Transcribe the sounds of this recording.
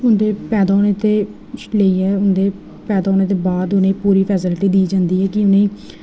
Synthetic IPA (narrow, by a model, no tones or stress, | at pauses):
ʊnd̪eːpɛːd̪aːoːɽ̃eːt̪eː | ləiːɦɛːʊnd̪eː | pɛːd̪aːoːñeːt̪̬eːbaːd̪ʊnẽːpuːɾiːpʰɛːsəlʈiːd̪iːd͡ʒãːnd̪iːɦɛːkɪʊnẽː